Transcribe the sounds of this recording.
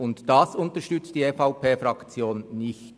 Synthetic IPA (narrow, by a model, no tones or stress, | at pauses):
ʊntd̥ɑsʊntəʃtʏt͡std̥iːefaʊpʰeːfʁɑkt͡sjoːnnɪçt